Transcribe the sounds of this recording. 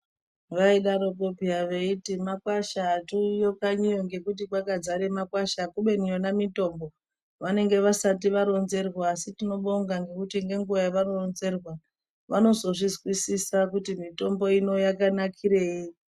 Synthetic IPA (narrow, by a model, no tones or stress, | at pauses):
ʋaiɗaɾo̞kopiaʋeitimakwaʃaːtujo̞kaɲijoŋɡe̞kut̬ikwakad͡zaɾe̞makwaʃakuɓe̞nijonamito̞mbo̞ | ʋane̞ŋɡe̞ʋasat̬iʋaɾo̞nze̞rwaːsitino̞ɓoŋɡaŋɡe̞kutiŋɡe̞ŋɡuʋajaʋaɾonze̞rwa | ʋano̞zo̞ʐizɣwisisakutimito̞mbo̞ino̞jakanakʰiɾe̞ːi